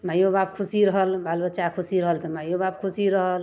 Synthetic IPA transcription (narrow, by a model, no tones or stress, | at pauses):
majobabkʰusiɾəɦəlbalbət͡ʃakʰusiɾəɦəlt̪ɔmajobabkʰusiɾəɦəl